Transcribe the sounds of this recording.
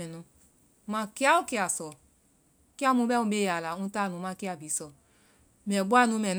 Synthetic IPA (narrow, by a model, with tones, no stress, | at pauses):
ɛ˨nũ˨ | ma˨ki˦a˦u˦ki˦a˨sɔ˨˦ | ki˦a˦mũ˧˦bɛ˦ũ˦be˦˨ja˨la˨ũ˦ta˦˨nũ˨˦ma˧˦ki˦a˨bi˨˦sɔ˨ | mɛ˨bu˦a˦˨nũ˨˧˦mɛ˨